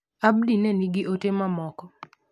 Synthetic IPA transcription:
abdineniɡɪʔotemamɔkɔ

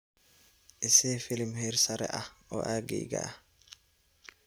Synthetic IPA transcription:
ʔɛsɛːfilimhɛɾsaɾɛ̰ʔaʔɔ̰ʔaːɡḭːɡa̰a

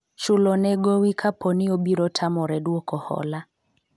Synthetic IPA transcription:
t͡ʃulɔnɛɡɔwikʰapʰɔniɔɓiɾɔtʰamɔɾɛɗuɔkɔhɔ̰la

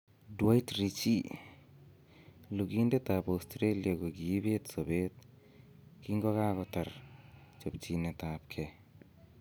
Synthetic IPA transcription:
duajtɾit͡ʃi | luɡindet̪apawstɾelijaɡɔɡibetsɔbet̪̚ | kiŋɡɔɣaɡɔt̪aɾt͡ʃɔp̚t͡ʃinetap̚kʰe

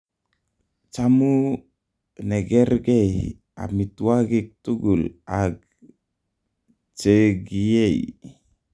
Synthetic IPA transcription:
t͡ʃamu | neɡeɾɡej | a̰mit̪uaɡik̚t̪uɡulaɡ | t͡ʃeɡiei

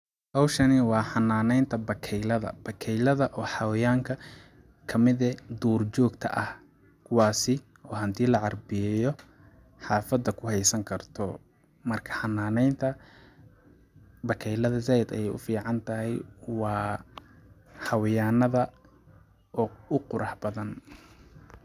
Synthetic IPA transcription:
hɑwʃɐnɪwɑːħɑnːaːnɛjnt̪ʰɐbɐkʰɛjlɐðɐ̰b̥ɐkʰɛjlɐðɐʔɔːħɑwɪjaːŋkʰɐ | kʰɐmɪðɛd̪uːrt͡ʃɔːɡt̪ʰɐ̰ʔɐh | kʰʊwɑːsɪ | ɔːɦɐnt̪ʰiːlɐʕɑrbɪjɛjɔ | ħɑːfɐd̪ɐkʰʊhɛjsɐŋkʰɐrt̪ʰɔ | mɐrkʰɐ̥ħɑnːaːnɛjnt̪ʰɐ | bɐkʰɛjlɐðɐzaːjɐd̪ɐ̰jɛjʔʊfiːʕɑnt̪ʰɐɦɛjwɑː | ħɑwɪjaːnɐðɐ | ɔːʊqʊɾʔɑħbɐðɐn

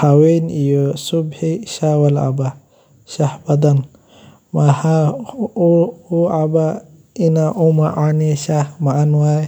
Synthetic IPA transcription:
hawenijosubhiʃawɐla̰ba | ʃahbɐd̪an | maha | uaba | inaʔumaʔaniʃamaʔːnwa

